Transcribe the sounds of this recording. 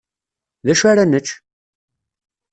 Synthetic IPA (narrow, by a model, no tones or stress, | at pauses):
ðæʃaɾænət͡ʃː